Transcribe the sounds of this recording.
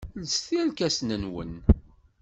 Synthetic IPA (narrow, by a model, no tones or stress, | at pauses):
lsθilkæsnənwə̰n